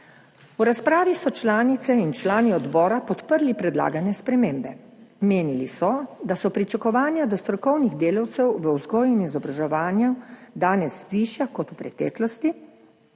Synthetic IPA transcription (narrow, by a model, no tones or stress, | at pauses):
uɾaspɾaːʋisɔt͡ʃlaːnit̪sɛint͡ʃlaːniɔd̪bɔːɾapɔt̪pəɾlipɾɛd̪la̰ːɡanɛspɾɛmeːmbɛ | meːnilisɔd̪asɔpɾit͡ʃakɔʋaːnjad̪ɔst̪ɾɔkɔwniɣd̪eːlawt̪sɛwʋəwzɡoːjɛnizɔbɾaʒɛʋaːnjad̪aːnɛsʋiʃjakɔt̪upɾɛt̪ɛ̰ːklɔst̪i